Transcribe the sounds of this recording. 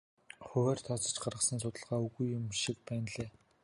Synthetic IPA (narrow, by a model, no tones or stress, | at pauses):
χɵwæːrt̪ʰɔt͡sɞ̆t͡ɕɢarʁə̆sə̆ns̬ʊt̪ə̆ɮʁ̥aːuɣujːʊmʃik̚pæːnɮeː